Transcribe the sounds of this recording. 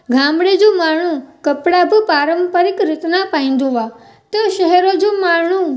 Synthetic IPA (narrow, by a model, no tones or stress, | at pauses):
ɡʱãːmbɽed͡ʒũmaːɳ̃ũkəpɽabʱpaːɾəmpəɾɪkɾɪt̪napãːĩnd̪oʋa | t̪oʃəɦɛɾod͡ʒumaːɳ̃ũ